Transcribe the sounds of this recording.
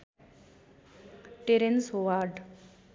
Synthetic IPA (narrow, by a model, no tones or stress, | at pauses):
ʈeɾensoʋaɾɖ